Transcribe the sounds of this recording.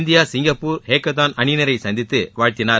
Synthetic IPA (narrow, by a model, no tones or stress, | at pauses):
nd̪ɪjaːsɪŋɡɐpːuːɾheːkːɐt̪aːnɐɳɪnɐɾɐɪsɐnd̪ɪt̪ːɯʋaːɻt̪ɪnaːɾ